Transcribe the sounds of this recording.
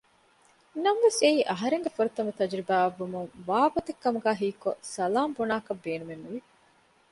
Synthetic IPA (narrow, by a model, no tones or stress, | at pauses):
nːɐmʋeseiːʔɐɦɐɾeŋɡefuɾɐt̪ɐmɐt̪ɐd͡ʒɾibaːɐʋːumuŋʋaːbɐt̪ekːɐmuɡæːɦiːkosɐlaːmbonaːkɐbːeːnumenːuʋi